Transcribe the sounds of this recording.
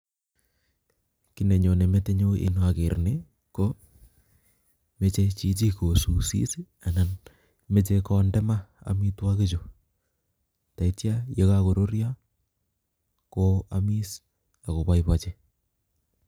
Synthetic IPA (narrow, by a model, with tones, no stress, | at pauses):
ki˦ne˨ɲo˨ne˨me˦te˦ɲo˦ʔḛ˦nwa˨ke˨ɾne˦ | ko˦ | me˦t͡ʃe˦t͡ʃi˦t͡ʃi˦ko˨su˨sḭ˦si˦ | a˨na˨n | me˦t͡ʃe˦kɔ˦ndɛ˦ma˦a̰˨mi˦twa˦ke˦t͡ʃo˨ | ta˨i˦tja˦je˦kako˨ɾo˦ɾja˦ | koa̰˦mi˦s | a˨ko˨βa˦iβa˦t͡ʃe˦